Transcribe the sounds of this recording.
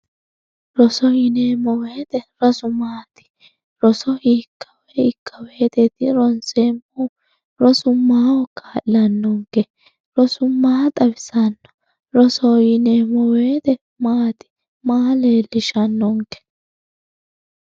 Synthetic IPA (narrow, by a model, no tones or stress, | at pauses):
ɾɔsɔjɪneːmɔweːt̪ɛɾɔsʊmaːt̪ɪ̥ | ɾɔsɔiːkʰːɐwɛɪkʰːɐweːt̪ɛt̪ɪɾɔnseːmɔ | ɾɔsʊmaːwɔkːaːʔɐnːɔŋkɛ | ɾɔsʊmaːt̪ʼɐbɪsɐnːɔ̥ | ɾɔsɔjɪneːmɔweːt̪ɛ | maːt̪ɪ̥ | maːleːlɪʃɐnːɔŋkɛ̥